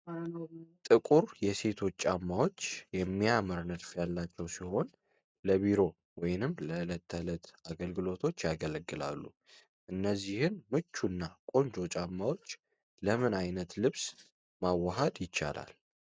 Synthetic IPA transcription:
t̪ʼɨkʼuɾjɛse̞t̪ʰo̞t͡ʃːʼamːawo̞t͡ʃːjɛmːiaməɾnɨd̪fjalːat͡ʃːɛwsiho̞n | ləβiɾo̞ | wɔjnɨmləɨlət̪ʰːələt̪aɡəlɡɨlo̞t̪ʰo̞t͡ʃːjaɡələɡːɨla̰lːṵ | ʔɨnːəzːihɨnmɨt͡ʃːunːakʼo̞nd͡ʒo̞t͡ʃʼamːawo̞t͡ʃː | ləmɨnajnət̪lɨβs | mawːaɦad̪jɪt͡ʃːa̰la̰l

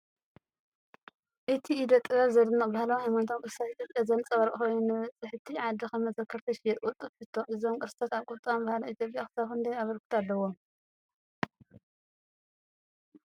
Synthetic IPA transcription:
ʔɨt̪ʰiːd̪ɐt̪ʼːɨβɐβzɐd̪ɨnːabahlawhajmant̪ʰomkʼɨɾɨst̪ʰat̪ʔit̪ʰjopʼjazɐnt͡sʼɐβɐɾkʼxojnunːɨɐt͡sʼɨħɨt̪ʰiʕad̪ixɐmɐzɐkʰːɐɾt̪ʰɐʃjɛt̪ʼkʼut̪ʼɨfħɨt̪ʰːoʔɨzomkʼɨɾɨst̪ʰat̪aβkʼʊt̪ʼombahloʔit̪ʰjopʼjaxɨ̥saxɨnd̪ɐjaβɐɾkʰu̥t̪ʰalːɐwom

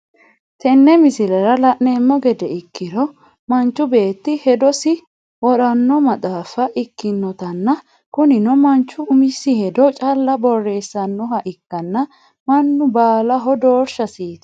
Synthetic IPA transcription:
t̪ɛnːɛmɪsɪlɛɾɐlɐʔneːmːɔɡɛd̪ɛɪkːɪɾɔ | mɐnt͡ʃːʊbe̞ːt̪ːɪhɛd̪ɔsɪ | wɔɗɐnːɔmɐt̪ʼaːfɐʔɪkːɪnːɔt̪ɐnːɐ | kʊnɪnɔmɐnt͡ʃːʊʊmɪsɪhɛd̪ɔt͡ʃʼɐlːɐbɔrːe̞ːsːɐnːɔhɐʔɪkːɐnːɐ | mɐnːʊbaːlɐɦɔd̪oːɾʃɐsiːt̪

